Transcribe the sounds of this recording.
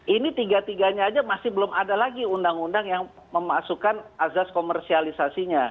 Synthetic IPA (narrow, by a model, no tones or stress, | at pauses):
ʔinit̪iɡat̪iɡaɲaːd͡ʒamasɪhbəlomʔadalaɡiundaŋundaŋjaŋ | məmasukanʔazaskomɛrsialisasiɲa